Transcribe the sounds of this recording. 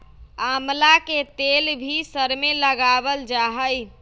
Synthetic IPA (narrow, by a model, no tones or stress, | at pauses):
amlaket̪elbʱisəɾmeləɡabəld͡ʒaɦəj